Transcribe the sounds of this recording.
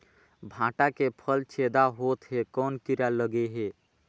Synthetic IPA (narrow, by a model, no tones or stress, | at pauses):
bʱãʈakepʰəlt͡ʃʰed̪aɦot̪ɦekɔnkiɾaləɡeɦe